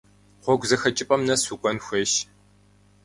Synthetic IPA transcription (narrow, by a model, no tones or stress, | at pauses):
χʷɔɡʷzɐxɐt͡ʃʼɪpʼɐmnɐsukʷʼɔnxʷeʃ